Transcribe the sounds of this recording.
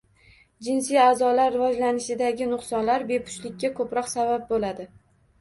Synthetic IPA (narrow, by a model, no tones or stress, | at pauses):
d͡ʒɪnsijaːzɒlaɾːɪvɒd͡ʒlanɪʃɪd̪aɡʲɪnʊqsɒnlaɾbe̞pʰʊ̥ʃlɪkʲːakʰɵpɾɒqsabap̚bolad̪ɪ